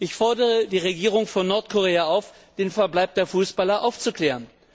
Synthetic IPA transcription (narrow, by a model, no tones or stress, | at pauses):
ʔɪçfɔɐdəʁədiːʁeɡiːʁ̞ʊŋfɔnːɔɐtkʰoʁ̞eːaʔaʊf | d̥eːnfɛɐblaɪp̚d̥eːɐfuːsb̥alɐʔaʊft͡sukl̥ɛːʁən